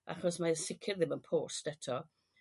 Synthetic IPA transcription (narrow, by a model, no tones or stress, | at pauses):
ʔa̰χɔsmasɪkʰɪrðɪmənpʰoːstɛtʰɔ